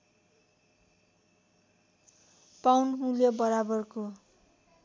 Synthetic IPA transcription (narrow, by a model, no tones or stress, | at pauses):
pawnɦũljobʌɾabʌrko